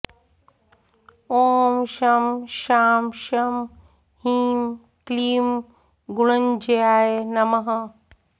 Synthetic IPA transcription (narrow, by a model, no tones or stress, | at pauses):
oːmʃɐmʃaːmʃɐm | hiːm | kliːm | ɡuɭɐnd͡ʒejaːjenɐmɐɦɐ